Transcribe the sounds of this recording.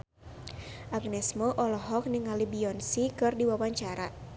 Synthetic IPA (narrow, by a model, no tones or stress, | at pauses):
ʔaɡnɛsmɔʔɔlɔɦɔk̚niŋalibiɔnsikɨrdiwawaɲt͡ʃaɾa